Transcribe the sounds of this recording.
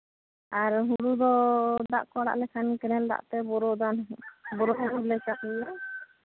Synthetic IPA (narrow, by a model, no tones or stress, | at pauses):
aɾɦuɽud̪ɔd̪a̰ʔkɔɽa̰ʔlɛkʰankɛnɛld̪a̰ʔt̪ɛbɔɾɔd̪abɔɾɔɦuɾulɛkakɔla